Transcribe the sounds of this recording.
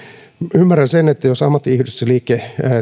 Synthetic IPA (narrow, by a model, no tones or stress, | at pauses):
ymːærænsenet̪ːæjosɑmːɑt̪ːiihdosseliːkːe